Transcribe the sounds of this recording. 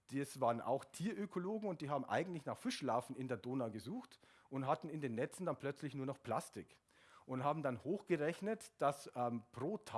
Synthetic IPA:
d̥isv̥aːʁənʔa̰ʊxtʰiːɐʔøkʰoloːɡŋ̩ʊnt̚d̥iːɦaːbm̩ʔa̰ɪɡŋ̩tlɪçnaːχfɪʃlaːfn̩ɪndeːɐdoːnaːɡəzuːxt | ʔʊntɦatn̩ɪndeːnːɛt͡sn̩danpʰl̥œt͡slɪçnuːɐnɔχpʰl̥astɪk | ʔʊntɦaːbm̩danhoːxɡ̥əʁɛçnətd̥asʔɛmpʁ̥oːtʰa

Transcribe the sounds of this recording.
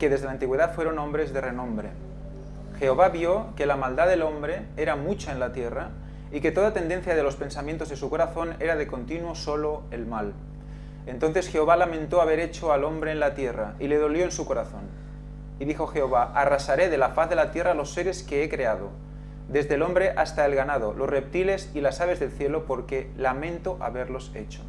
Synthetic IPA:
keðezðelaːnt̪iɣwe̞ðat̪fweɾo̞nõ̞mbɾezðerenõ̞mbɾḛ | xeoβaβjokelamald̪aðelombɾe̞ | eɾamut͡ʃaenlat̪jera | ike̞t̪oðat̪end̪en̟θjað̞elo̞spe̞nsamjent̪ozðesuko̞ɾaθo̞neɾað̞eko̞nt̪inwosoloelmal | e̞nt̪o̞nθesxeoβalamẽnt̪oaβ̞eɾet͡ʃoalo̞mbɾeːnlat̪je̞ra̰ile̞ð̞o̞ljo̞ensuko̞ɾaθo̞̰n | iðixo̞xe̞oβaʔarasaɾe̞ð̞e̞lafaθðe̞lat̪je̞ralo̞sːeɾe̞skeekɾe̞að̞o̞̰ | d̪e̞zðelo̞mbɾe̞ʔast̪aelɣanaðolosrep̚t̪ile̞silasaβ̞e̞zðe̞lθje̞lopoɾkelamẽ̞nt̪oʔa̰βe̞ɾlo̞se̞̰t͡ʃo̥

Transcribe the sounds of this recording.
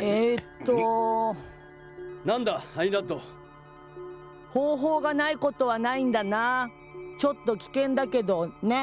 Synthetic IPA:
et̪ːo | nãnd̪aainat̪o | ho̞ːɦo̞ːɡanaiko̞t̪o̞βanaĩnd̪ana | t͡ɕo̞t̪ːo̞kʲi̥kẽ̞nd̪ake̞d̪o̞ne̞

